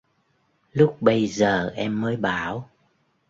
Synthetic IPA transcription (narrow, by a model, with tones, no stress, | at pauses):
lʊ˦˥k͡p̚ɓə˧jzəː˨˩ʔɛ˧mːəː˨˦jɓaː˧˩˦w